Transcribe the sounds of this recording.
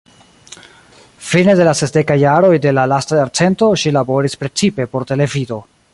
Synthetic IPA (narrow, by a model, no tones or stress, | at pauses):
fine̞de̞lase̞sde̞kajːaɾo̞jde̞lalastajaɾt͡se̞nto̞ʃilabo̞ɾispɾe̞t͡sipe̞po̞ɾte̞le̞vido̞